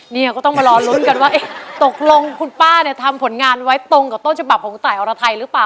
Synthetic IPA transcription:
niː˥˩a˨˩kɔː˥˩t̪ɔ˥˩ma˧ɾɔː˧lu˦˥nka˧nwaː˥˩ʔe˦˥˩t̪o˨˩k̚lo˧ŋkʰu˧npaː˥˩ni˥˩t̪ʰa˧mpʰo˨˩˦nŋaː˧nwa˦˥jt̪o˧ŋka˨˩o˥˩t͡ɕʰa˧ba˨˩p̚kʰɔː˩˦ŋt̪aː˨˩jʔɔː˧ɾa˧t̪ʰa˧jɾɯ˦˥paː˨˩

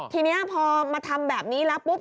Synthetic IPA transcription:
t̪ʰiː˧ni˦˥ɐpʰɔː˧maː˧t̪ʰa˧mbɛː˨˩p̚niː˦˥lɛː˦˥wpu˦˥p̚

